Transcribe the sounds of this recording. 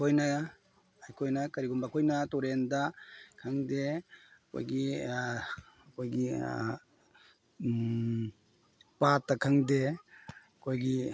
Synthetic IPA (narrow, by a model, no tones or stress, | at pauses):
kʰojnɐ | ajkʰojnɐkɐɾiɡumbakʰojnɐtoɾendakʰaŋdekʰo̰jɡi | ɐkʰojɡi | patːakʰaŋde | kʰojɡi